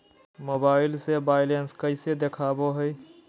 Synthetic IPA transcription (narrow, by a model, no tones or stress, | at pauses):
mobaɪlsebaɪlenskəɪsed̪ekʰaboɦəj